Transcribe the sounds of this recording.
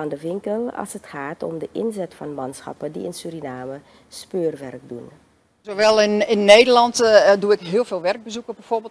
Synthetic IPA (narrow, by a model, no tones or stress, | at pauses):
andəʋɪŋkəlˠɑ̰lˠsətχaːtɔ̰mdəʔɪnzɛtfɑnmɑnsxɑ̰pədḭɪnsyɾinaːmə | spøːrʋɛrk̚dun | zoʋɛlˠɪnɪnːeːdəlɑntduɪkɦɪəlˠveːlˠʋɛrɡ̚bəzukəbɛfoːrbɪ